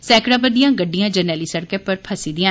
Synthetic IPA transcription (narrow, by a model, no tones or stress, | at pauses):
sɛːkɽãːpəd̪ijãːɡəɖːijãːd͡ʒəɾnɛːliːsəɽkeːpəɾpʰəsiːd̪ɪjãː